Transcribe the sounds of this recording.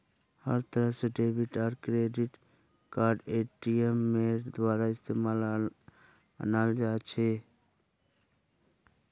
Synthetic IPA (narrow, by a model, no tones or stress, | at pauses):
hə̰ɾt̪əɾəɦseɖebʱiʈaɾkɾeɖiʈ | kaɾɖeʈijemːed̪waɾaɪst̪emal | ə̰nald͡ʒat͡ʃʰɛ